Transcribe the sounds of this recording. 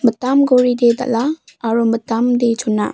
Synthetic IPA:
mətamɡoɾideda̰ʔlaːɾumətamdet͡ʃʰunːa̰

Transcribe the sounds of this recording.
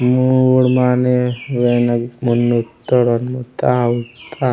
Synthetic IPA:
muɽmaːneʋenɐmunːut̪ːɔɽonmut̪ːawut̪ːa

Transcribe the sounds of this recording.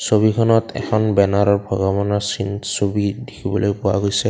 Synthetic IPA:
sobikʰɔnɔtɛ̰kʰɔnbɛnaɹɔɹbʱɔɡɔbɔnasinsobidikʰibɔlojpʊwa̰ɡojsɛ

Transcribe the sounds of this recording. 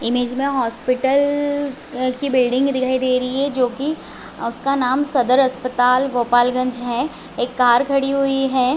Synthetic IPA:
ɪmeːd͡ʒmẽɦɔːspɪʈəl | kibɪlɖɪ̃ŋɡd̪ɪkʰaːid̪eːɾɐiɦɛd͡ʒoːki | ʊskanaːmsɐd̪əɾɐspət̪aːlɡoːpaːlɡɐ̃ɲd͡ʒɦɛː | eːkːaːɾkʰɐɽiɦuiɦɛː

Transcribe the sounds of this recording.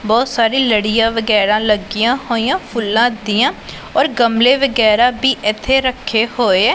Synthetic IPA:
bɔːt̪saːɾiːləɽɪjãːʋəɡɛːɾãːləɡijãːhoːijãːpʰʊlːãːd̪iːãː | ɔːɾɡəmleːʋəɡɛːɾaːbiːʔɪt̪ʰːeːɾəkʰːeːhoːeːɛː

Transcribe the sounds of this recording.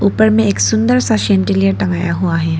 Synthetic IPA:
upəɾmẽːksund̪əɾsaɕẽɳʈilijəʈəŋɡajaɦuaɦe

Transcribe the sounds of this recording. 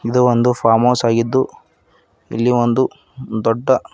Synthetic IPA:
id̪uʋond̪upʰaːmoːsaːɡid̪ːu | ḭlːiʋond̪u | d̪ɔɖːɐ

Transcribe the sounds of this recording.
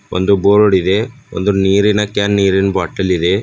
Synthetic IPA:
o̰nd̪uboːɾoɽid̪e̞ | o̰nd̪uniːɾinɐkaːnːiːɾinbaːʈːɐlid̪e

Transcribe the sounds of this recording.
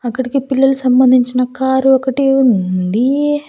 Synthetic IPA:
ɐkːɐɽikipilːɐlusɐmbɐnd̪ʱiɲt͡ʃinɐkaːɾuɔkɐʈeunund̪i

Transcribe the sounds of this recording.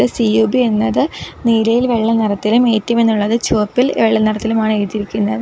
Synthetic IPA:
ɨsiuːbie̞nːɐðɨniːlɐjilʋe̞ɭːɐnɐɾɐt̪ːilumeːtːɐme̞nːuɭːɐðɨt͡ɕoːpːilʋeɭːɐnɐɽɐt̪ːilumaːɳɨeɻt̪ːiɾikʲːunːɐðɨ

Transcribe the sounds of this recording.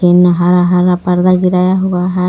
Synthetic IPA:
enːaɦaɾaɦaɾapɐɾd̪aɡiɾajaɦuɡaɦa

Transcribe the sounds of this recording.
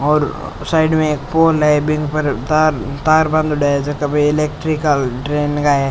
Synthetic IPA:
ɔːɾ | saːɪɖmẽeːkpoːlaebɪ̃ŋɡpɐɾt̪aɾt̪aːɾbɐ̃nd̪ɖaːed͡ʒɐkɐbiɪleːk̚ʈɾikəlʈɾeːnɡaːje

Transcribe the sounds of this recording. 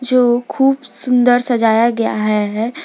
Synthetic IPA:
d͡ʒoːkʰuːbsʊ̃nd̪əɾsɐd͡ʒaːjaɡɐja̰ɦɛɦ

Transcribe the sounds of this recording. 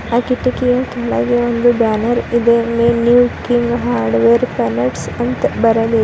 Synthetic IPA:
aːkiʈːikijakeːla̰ːɡeond̪ubaːnɐɾid̪emenjuːkiŋɡɦaːɾɖʋeːɾpɐːnɐʈs | ɐnt̪bɐɾɐd̪i

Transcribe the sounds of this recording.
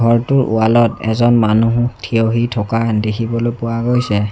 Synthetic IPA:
ɡʱɔɹtʊɹʔṵalɔtɛ̰zɔnmanuɦutʰioɦitʰɔkadekʰibɔlojpʊwaɡojsɛ

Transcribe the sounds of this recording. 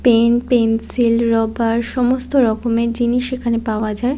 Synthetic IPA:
penpensilɾɔbaɾʃɔmost̪oɾɔkomed͡ʑiniʃekʰanepaoad͡ʑae

